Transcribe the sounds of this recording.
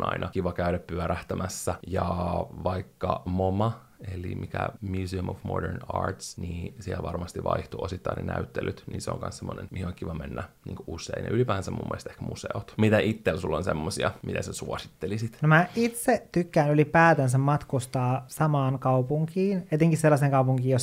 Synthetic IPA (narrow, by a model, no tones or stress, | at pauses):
nʔɑ̰inʔɑkiʋɑkæyɾæppyæɾæht̪æmæsːæjɑʋɑikːɑmomɑ | elimikæ̰mjuːsiumofmo̰dḛrnɑːrt̪sniːsihæʋɑrmɑst̪iʋʋɑ̰iht̪uosit̪ːɑinḛnæyt̪ːelyt̪niːseo̰ŋkɑ̰nssemːonenmihioŋkiʋɑmenːænḭːŋkousːˑeinḛʔylipæːnsæmṵmːṵḛlst̪ehkmuseot̪mit̪æʔit̪ːelsulːonsemːosiɑmit̪æsesuosit̪ːelisit̪nomæʔit̪set̪ykːæːnylipæːt̪æns̬æmmɑt̪kust̪ɑːsɑmɑːnkɑupuŋkiːnet̪eŋkisselːɑseːŋkɑupuŋkiːjos